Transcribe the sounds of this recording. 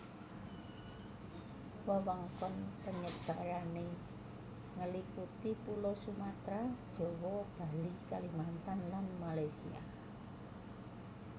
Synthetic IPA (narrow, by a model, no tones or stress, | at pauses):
wawɔŋkɔnpəɲəb̥a̤ɾane | ŋəliput̪ipulɔsumat̪ɾad̥ʒ̥ɔ̤wɔb̥a̤likalimant̪anlanmalajsia̰